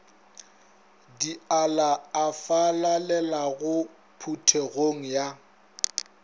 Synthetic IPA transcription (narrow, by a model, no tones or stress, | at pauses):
dialaafalalɛlaɣʊ | pʰutʰeɣoŋ̩ja